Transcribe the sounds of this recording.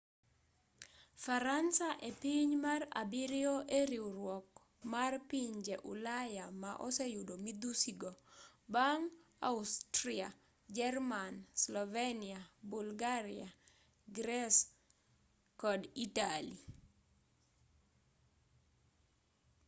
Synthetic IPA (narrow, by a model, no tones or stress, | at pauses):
faɾansaʔepiɲmara̰biɾɪoʔeɾiuɾwɔk | marpiɲd͡ʒeʔṵlajamaʔɔsejudomid̪usiɡobaŋ | a̰ʊstɾia | d͡ʒɛrmanslɔveniabulɡaɾɪa | ɡɾɛs | kɔditali